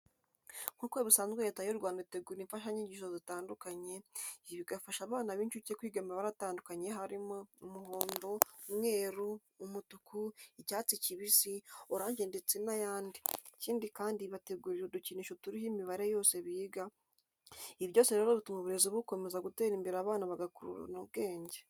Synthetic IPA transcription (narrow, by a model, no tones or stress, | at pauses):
kukoβisaːnzɡwejeːtajoɾɡwaːndauteɡuɾiiɱfaʃaɲiɲɟiʃozitaːndukaɲe̞βiɡafaʃaβaːnaβiːnt͡ʃucekwiːɡamɾaβaɾataːndukaɲe̞ɦaɾimo̞umuho̞ːndo̞mŋe̞ːɾuː | mutukʰuicaːt͡siciβisioɾaːɲd͡ʒe̞ndet͡sinajaːndiciːndikaːndiβate̞ɡuɾiɾoduciniʃotuɾihimiβaɾe̞jo̞ːseβiːɡa | iβjo̞ːseɾe̞ːɾo̞ɾutumuβuɾe̞ziβuko̞me̞zaɡuteːɾiːmbiɾaːβaːnaβaɡakuɾṵɾa̰noβɡe̞ːɲɟe